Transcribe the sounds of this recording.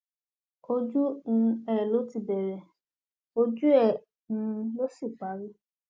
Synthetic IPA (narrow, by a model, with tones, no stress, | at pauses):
o˧d͡ʒu˦ũ˧ɛ˨ɛ˨lo˨˦ti˧˨bɛ˨ɾɛ˨ | o˧d͡ʒu˦ɛ˦˨ | ũ˧lo˦si˦˨k͡pa˨˦ɾi˦